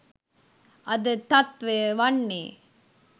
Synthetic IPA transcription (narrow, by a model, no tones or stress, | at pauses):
ɐðɯt̪ɐt̪ʋeʋɐɳːi